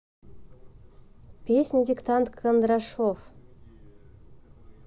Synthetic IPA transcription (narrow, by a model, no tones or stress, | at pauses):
pʲesʲnʲɪdʲikt̪ant̪kʰənd̪ɾaʂof